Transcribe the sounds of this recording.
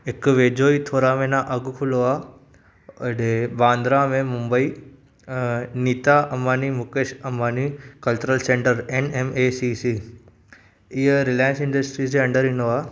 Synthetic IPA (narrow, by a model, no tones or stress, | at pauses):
ɪkʋeːd͡ʒoːit̪ʰoːɾamẽnaʔɐɡkʰʊloaː | ɖebãːnd̪ɾamẽmũmbəiː | niːt̪aʔɐmːaːnimʊkeːʃɐmːaːnikɐlt͡ʃuɾəlsẽɳʈəɾenemeːsisi | iɾɪlaːjə̃nsɪ̃ɳɖəsʈɾiːs̬eɐ̃ɳɖəɾɪnoaː